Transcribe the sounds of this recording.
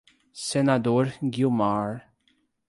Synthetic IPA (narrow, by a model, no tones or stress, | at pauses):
sɛnɐd̪uːɾɡjumaːɾ